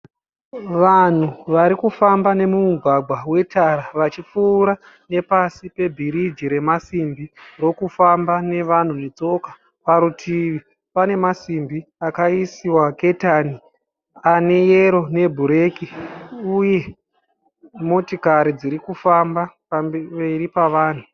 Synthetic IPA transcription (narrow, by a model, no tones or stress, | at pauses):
ʋan̤uʋaɾikufambane̞mumuɡʱwaɡʱwawe̞tʰaɾaʋat͡ʃip͡fuːɾa | ne̞pasipe̞bʱiɾid͡ʒiɾe̞masimbiro̞kufambane̞ʋan̤unet͡so̞ka | paɾutʰiʋi | pane̞masimbiakaisiwake̞tani | ane̞jeɾo̞ne̞bʱuɾe̞ːkiuje̞ | mo̞tikaɾid͡ziɾikufambape̞ɾipaʋaːn̤u